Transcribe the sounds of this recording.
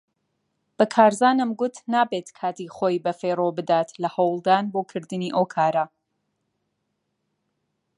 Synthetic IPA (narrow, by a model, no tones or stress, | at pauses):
b̥ɐkʰaːɾzaːnɨmɡʊt̪naːbeːt̪kʰaːt̪iːχoːjbɐferobɨd̪aːt̪ʰlɐhɐwlˠd̪aːnboːkʰɨɾd̪ɨniːʔowkʰaːɾɐ